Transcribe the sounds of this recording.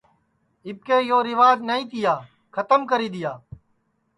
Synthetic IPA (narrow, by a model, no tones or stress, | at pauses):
ɪb̚keːjoːɾɪʋaːd͡ʒnəĩːt̪ʰɪjaː | kʰət̪əmkəɾiːd̪ɪjaː